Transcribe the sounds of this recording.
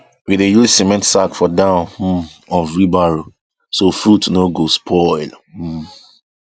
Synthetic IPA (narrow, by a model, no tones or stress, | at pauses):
widejusimɛ̃ntsakfɔdãʊ̃n̩ɔ̃nvɹibaɹo | sofɹutnoɡospʰɔɪlm̩